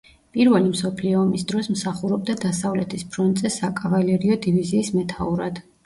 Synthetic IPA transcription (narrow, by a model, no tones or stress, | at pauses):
pʼiɾvɛlimsɔpʰliɔːmisd̪ɾɔsmsaχuɾɔb̚d̪ad̪asavlɛt̪ʰispʰɾɔnt̪ʼzɛsakʼavalɛɾiɔd̪iviziːsmɛt̪ʰauɾad̪̥